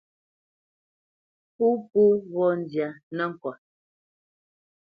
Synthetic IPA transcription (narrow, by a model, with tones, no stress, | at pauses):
pu˦pu˦ɣɔ˦n˨dja˨nə˦ŋ̩˨kɔ˨